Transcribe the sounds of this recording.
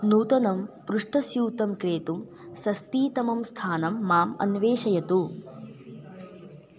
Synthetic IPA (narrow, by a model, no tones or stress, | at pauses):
nuːt̪ɐnɐmpɾuʂʈɐsjuːt̪ɐmkɾeːt̪um | sɐst̪iːt̪ɐmɐmst̪ʰaːnɐmːaːmɐ̰nʋeːʃɐjɐt̪u